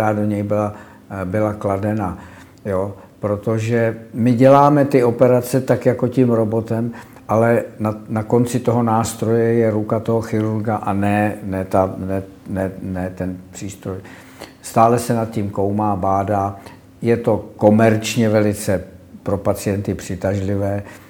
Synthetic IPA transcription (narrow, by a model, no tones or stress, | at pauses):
aːdo̞ɲɛjbɪla | bɪlakladɛna | jo | pɾot̪o̞ʒɛmɪɟɛlaːmɛt̪ɪo̞pɛɾat͡sɛt̪akjako̞cimɾo̞bo̞t̪ɛm | ʔalɛnanako̞nt͡sɪt̪o̞ɦo̞naːst̪ɾo̞jɛjɛɾukat̪o̞ɦo̞xɪɾuɾɡaʔanɛnɛt̪anɛ | nɛnɛt̪ɛnpr̥iːst̪ɾoj | st̪aːlɛsɛnat̪̚ciːmko̞wmaːbaːdaː | jɛt̪o̞ko̞mɛɾt͡ʃɲɛvɛlɪt͡sɛpɾo̞pat͡sɪjɛnt̪ɪpr̝̥ɪt̪aʒlɪvɛː